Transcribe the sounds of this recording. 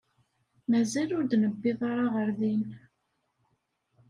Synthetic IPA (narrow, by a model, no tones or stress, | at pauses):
mæzælʊɾd̪nəbːɪðˤɑɾˤɑʁəɾðin